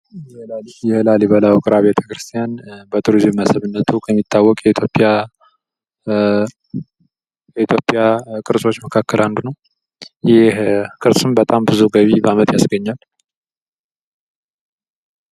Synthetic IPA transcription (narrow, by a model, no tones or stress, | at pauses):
jjɛhɨlaliβəlawkʼɨɾaβet̪ʰə̥kɾɨst̪ʰijanbət̪ʼʰuɾizɨmːəsəβɨnːət̪ʰukʰəmːit̪ʰːawːɔkʼjɛit̪ʰjo̞pʼija | jɛit̪ʰjo̞pʼjakʼɨɾsʼo̞t͡ʃːməkʰakːəlʔand̪unəw | jɪkʼɨɾsʼɨmbət̪ʼambɨzuɡəβibəamət̪ʼjasɡəɲːal